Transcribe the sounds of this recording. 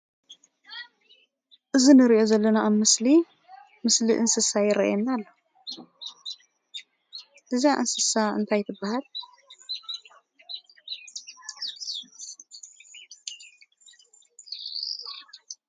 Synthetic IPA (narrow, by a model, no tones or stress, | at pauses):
ʔɨzinɨɾiʔo̞zɐlːɐnaːβmɨsli | mɨsliʔɨnsɨsajɪɾɐ̰ʔjɛnːalːo | ʔɨziaʔɨnsɨsaɨ̰nt̪ʰajt̪ʰɨbːahal